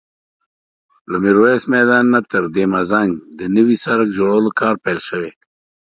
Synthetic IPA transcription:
lamiɾowesmɛd̪ɑːnːat̪əɾd̪emazaŋɡd̪ənəwisaɾkd͡ʒoɽawəlokɑːɾpelʃəwe

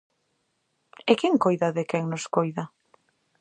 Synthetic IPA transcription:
ɪkɛŋkojðaðɪkɛŋnoskojðɐ

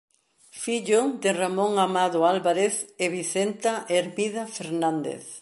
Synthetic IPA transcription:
fiʎod̪ɪramõŋamaðoalβaɾeθeβiθent̪aʔeɾmiðafeɾnãnd̪ḛθ

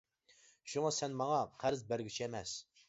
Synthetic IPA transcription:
ʃuŋɑsɛnmɑŋɑqʰæɾɪzbæɾɡʲyt͡ʃʰiɛmɛs

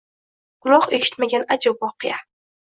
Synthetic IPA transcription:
qʊlˠɒqe̞ʃɪ̥t̪maɡʲanad͡ʒabwɒqʰɨja

